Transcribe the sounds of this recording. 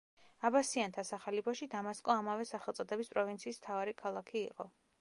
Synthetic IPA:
abasiant̪ʰasaχɛlipʰaʃid̪amaskʼɔamavɛsaχɛlˠt̪sʼɔd̪ɛbispʼɾɔvint̪sʰiːsmt̪ʰavaɾikʰalˠakʰiːqʼɔ

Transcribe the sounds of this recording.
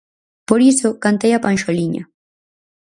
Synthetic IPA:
poɾisokant̪ajapanʃoliɲa̰

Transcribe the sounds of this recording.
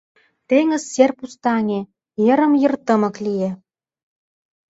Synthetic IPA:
t̪eŋə̆zːerpust̪ɑnʲe | jə̆ɾə̆mjə̆rt̪ə̆mɤ̆klije

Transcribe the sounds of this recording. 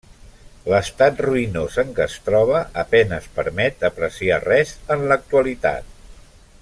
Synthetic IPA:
ləst̪at̪ruinozəŋkəst̪ɾɔβ̞əəpɛnəspəɾmɛt̪əpɾəsiarɛzənlək̚t̪uəlit̪a̰t̪̚

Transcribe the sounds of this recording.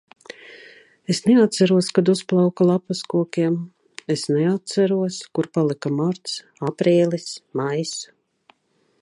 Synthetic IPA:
esneat̪t̪saɾuɔskad̪usplˠawkalˠapaskuɔkʲiɛm | esnɛat̪̚saɾuɔskuɾpalˠikamaɾt̪s | apɾiːlˠismajs

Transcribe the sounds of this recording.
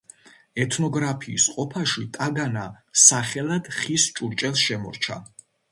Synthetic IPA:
ɛt̪ʰnɔɡɾapʰiːsqʼɔpʰaʃit̪ʼaɡana | saχɛlˠad̪̥χist͡ʃʼuɾt͡ʃʼɛlˠsʃɛmɔ̰ɾt͡ʃʰa̰

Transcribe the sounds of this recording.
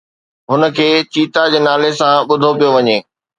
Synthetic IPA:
ɦʊnə̆kʰeːt͡ɕiːt̪ad͡ʑeːnaːlesãɓʊd̪ʱopijoʋɐɲeː

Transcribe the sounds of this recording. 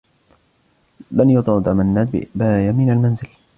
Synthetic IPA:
lanjɑd̪ˤɾɑt̪amanːaːt̪bɪ̰ʔɪbajamɪnalmanzɪl

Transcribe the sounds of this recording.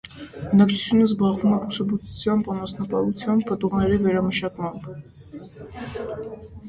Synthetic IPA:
bənɑkt͡ʃʰu̥t͡sʰjunəzbɑʁvumɛbusɑbut͡sʰu̥t͡sʰjɑmbɑnɑsnɑkɑut͡sʰjɑmpət̪uʁnɛɾivɛɾɑməʃɑkmɑmb

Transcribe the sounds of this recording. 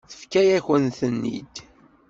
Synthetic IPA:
θə̥fkæjæçənθənːḭd̪

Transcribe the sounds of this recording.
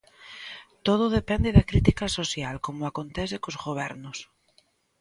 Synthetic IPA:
t̪oð̞oð̞epɛnd̪eðakɾit̪ikasosjalkomoakont̪ɛθekozɣoβ̞ɛɾnʊs

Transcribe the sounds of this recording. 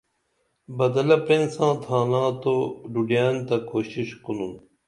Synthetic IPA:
bɐd̪ɐlɐpɾensãːt̪ʰãːnãːt̪oɖuɖijaːnt̪ɐkoːɕiɕkunun

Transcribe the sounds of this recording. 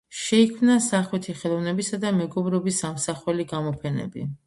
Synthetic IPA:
ʃɛikʰmnasaχwɛt̪ʰiχɛlˠɔvnɛbisad̪amɛɡɔbɾɔbisamsaχwɛliɡamɔpʰɛnɛ̰bḭ

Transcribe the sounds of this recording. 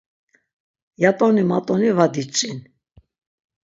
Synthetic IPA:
jat̪ʼɔnimat̪ʼɔnivad̪it͡ʃʼin

